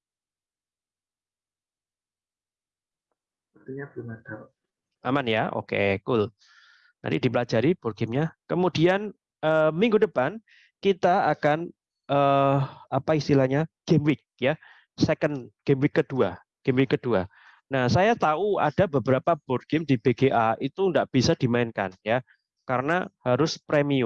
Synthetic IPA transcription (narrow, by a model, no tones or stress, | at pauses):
pət̪iɲabmada | a̰manjaʔo̰kḛkʊl | na̰nt̪ḭdipəlad͡ʒaɾib̥ɔrɡ̥ɪmɲakəmudian | əːmiŋɡudəpan | kit̪aakan | ʔəːapaist̪ilahɲaɡ̥emwɪk̚ja | sɛkənɡ̥emwɪkːəd̥ua | ɡ̥emwɪkːəd̥ua | nahsajat̪aua̰d̥abəbəɾapab̥ɔr̚ɡ̥ɪmdib̥eɡeʔait̪uŋɡaʔb̥isad̥imaɪnka̰nja | kaɾəna̰haɾʊspɾemiu